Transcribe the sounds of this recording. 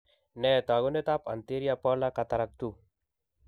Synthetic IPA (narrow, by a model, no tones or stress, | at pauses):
nɛt̪aɡonet̪apa̰nt̪eɾijapɔɾlakat̪aɾak̚t̪u